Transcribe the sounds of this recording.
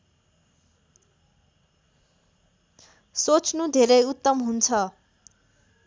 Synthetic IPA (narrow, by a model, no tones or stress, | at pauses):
sot͡sʰnud̪ʱeɾʌjut̪ːʌmɦunt͡sʰʌ